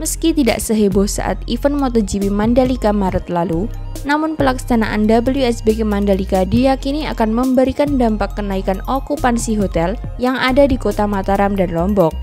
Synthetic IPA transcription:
məskit̪ida̰ʔsəɦebʊhsa̰ʔa̰t̪ifənmɔt̪ɔd͡ʒipimandalikamaɾət̪lalu | namʊnpəlaksanaʔa̰ndabəlijuɛsbekemandalikadijakinia̰kanməmbəɾikandampakːənaikanokupansiɦot̪ɛl | jaŋadadikot̪amat̪aɾamdanlɔmbɔk̚

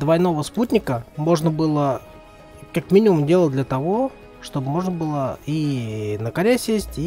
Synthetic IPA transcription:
d̪vɐjno̞vəsputʲnʲɪkəmo̞ʐnəbɨlˠə | kakmʲinʲɪmʊmdʲelˠəd̪lʲət̪ɐvo̞ | ʂt̪o̞bmo̞ʐnəbɨlˠəinəkɐɾʲesʲesʲtʲi

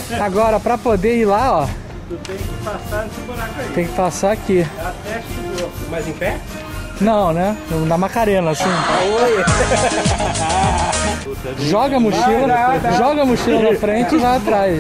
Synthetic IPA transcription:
aɡɔɾɐpɾɐpod̪eilaɔ | t̪ẽj̃kɪpasasioat̪ẽj̃kɪ̥pasaakiɛʃomazĩpɛ | nɐ̃w̃nɛnnɐmakaɾẽnɐasĩo | ʒɔɡɐmuʃilɐʒɔɡɐmuʃilɐnɐfɾẽt͡ʃɪɪvajat̪ɾajʃ

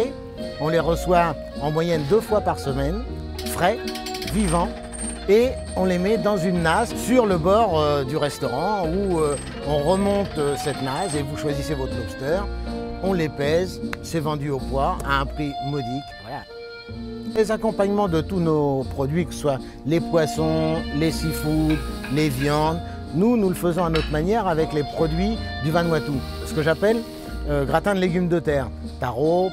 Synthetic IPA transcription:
ɔ̃leʁəswa | ɑ̃mwajɛnd̪øfwapaʁsəmɛn | fχɛvivɑ̃ | e | ɔ̃lemɛd̪ɑ̃zynːassyʁləbɔʁød̪yʁɛst̪ɔʁɑ̃uø | ɔ̃ʁəmɔ̃t̪øsɛt̪nazevuʃwazisevɔt̪χmɔst̪œʁɔ̃lepɛzsɛvɑ̃d̪yopwaa̰ɛ̃pχimɔd̪ikvwala | lezakɔ̃paɲmɑ̃d̪ət̪unopχɔd̪ɥikəsə̥swa | lepwasɔ̃lesifud̪ | levjɑ̃d̪ | nunuləfəzɔ̃anot̪χmanjɛʁavɛklepχɔd̪ɥid̪yvãnwat̪u | sə̥kəʒapɛl | øɡʁat̪ɛ̃d̪leɡʲymd̪ət̪ɛːʁ | t̪aʁo

